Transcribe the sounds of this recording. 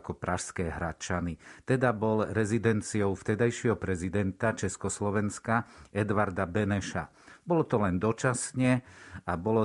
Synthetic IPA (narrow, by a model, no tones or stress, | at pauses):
kɔpɾaʃskɛːɦɾat͡ʃanit̪ɛd̪abɔlɾɛzid̪ɛnt͡siɔʊft̪ɛd̪ajʃɛɦɔpɾɛzid̪ɛnt̪at͡ʃɛskɔslɔʋɛnskaɛd̪ʋaɾd̪abɛnɛʃa̰ | bɔlɔt̪ɔlɛnd̪ɔt͡ʃasɲɛabɔlɔ